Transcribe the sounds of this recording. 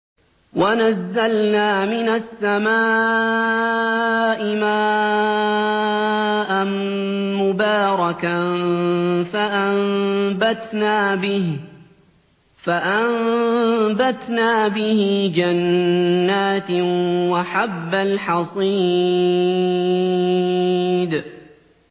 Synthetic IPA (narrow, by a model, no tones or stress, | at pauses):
wanazːalnaːmɪnasːamaː | ʔɪmaː | ʔanmʊbaːɾˤɑka | faʔambat̪naːbɪ | faʔam | bat̪naːbɪhɪd͡ʒanːaːt̪waħabːalħɑsˤiː | d̪